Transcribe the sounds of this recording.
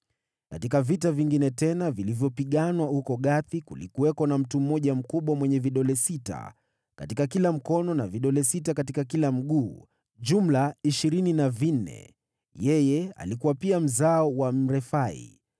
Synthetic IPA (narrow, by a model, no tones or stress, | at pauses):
katikavitaviŋɡinɛtɛnavilivjɔpiɠanwahukɔɠaθikulḭkuwɛkɔnam̩tum̩ːɔʄam̩kuɓwamwɛɲɛviɗɔlɛsita̰ | ka̰tikakilam̩kɔnɔnaviɗɔlɛsitakatikakilam̩ɠuː | ʄum̩laiʃiɾininavin̩nɛ̰ | jɛjɛa̰likuwapiam̩zaɔwam̩ɾɛfaḭ